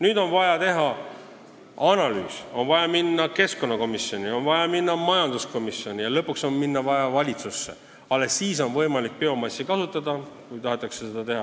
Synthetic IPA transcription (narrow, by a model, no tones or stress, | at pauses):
nyːd̪o̞nvɑjɑt̪e̞ɦɑ | ɑnɑly̰ːso̞nvɑjɑminːɑke̞sko̞nːɑko̞misjo̞nʲio̞nvɑjɑminːɑmɑjɑnd̪̥usko̞misjo̞nʲijɑlɤpːˑukso̞nminːɑvɑjɑvɑlʲit̪susːḛ | ɑlːesːiːso̞nvɤ̞jmɑlik̚peo̞mɑsʲːikɑsut̪ːˑɑd̪ɑ | vujt̪ɑɦet̪ːˑɑkse̞sed̪̥ɑt̪e̞ɦɑ